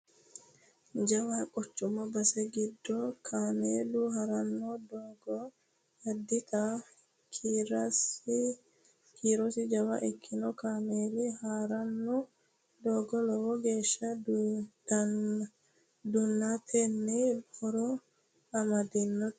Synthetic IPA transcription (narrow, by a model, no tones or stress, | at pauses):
d͡ʒɐwakʼɔt͡ʃːʊmɔbɐsɛɡɪd̪ːɔkʰaːmeːlʊɦɐɾɐnːɔd̪ɔɡɔ | ɐd̪ːɪt̪ɐ | ɾs | kiːɾɔsɪd͡ʒɐwɐ̰ʔɪkʰːɪnɔkaːmeːlɪhaːɾɐnːɔ | d̪oːɡɔlɔwɔɡe̞ːʃːɐ | d̪ | d̪ʊnːat̪ʰɛnːɛbɔɾɔ | ɐmɐd̪ɪnːɔ